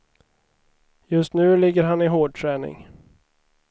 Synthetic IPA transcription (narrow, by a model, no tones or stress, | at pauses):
jɵst̪nʉ̟ːlɪɡːəɾɦanɪɦoːɖ̚ʈ̪ʰɾɛːnɪ̰ŋ